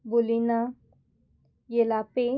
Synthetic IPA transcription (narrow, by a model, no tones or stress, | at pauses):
bolina | jelape